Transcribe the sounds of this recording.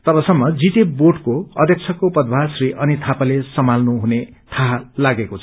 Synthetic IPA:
t̪ʌbʌsʌmːʌd͡zit̪eboɖkoʌd̪ʱjʌk̚t͡sʰʌkopʌd̪̚bʱasriʔʌnit̪ʰapalesʌmalnuɦune | t̪ʰaɦalaɡekot͡sʰ

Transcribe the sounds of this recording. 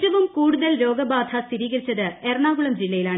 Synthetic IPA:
ɐʋumkuːɽuðɐlɾo̞ːɡɐbaːd̪ʱʰɐst̪ʰiɾiːɣɐɾit͡ɕːɐðɨerɳaːɡuɭɐmd͡ʑilːɐjilaːɳ

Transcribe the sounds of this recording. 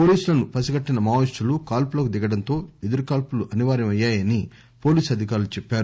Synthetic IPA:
po̞ːliːsulɐnupɐsiɡɐʈːinɐmaːʋisʈulukaːlpulɐkud̪iɡɐɽɐnt̪o̞ːed̪ɐɾukaːlpuluʔɐniʋaːɾɐmɐjːaːjɐni | po̞ːliːsɐd̪ʱik̬aːɾulut͡ʃepːaːɾu

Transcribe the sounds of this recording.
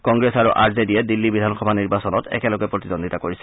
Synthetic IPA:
kɔŋɡɹesaɹuʔaɹzediɛdilːibidʱanxɔbʱaniɹbasɔnɔtɛ̰kɛlɔɡɛpɹot̪idondʱitakoɹisɛ̥

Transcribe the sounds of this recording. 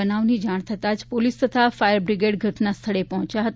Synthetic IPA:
ənaʋnid͡ʒaɽ̃t̪ʰət̪ad͡ʒpolist̪ət̪ʰafajəɾbɾiɡeɽɡʱəʈnast̪ʰəɭepɔɦt͡ʃjaɦət̪

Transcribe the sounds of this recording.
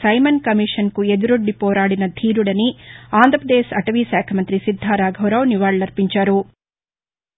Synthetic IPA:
sɐjmɐnkɐmiːʂɐnkued̪uɾoɖːipɔːɾaːɽinɐd̪ʱiːɾuɽɐniaːnd̪ʱɾɐpɐd̪eːsɐʈɐʋiːsaːkʰɐmɐnt̪ɾisid̪ʱːaːɾaːɡʱɐwɾaʋniʋaːɭlɐɾpiɲt͡ʃaːɾu

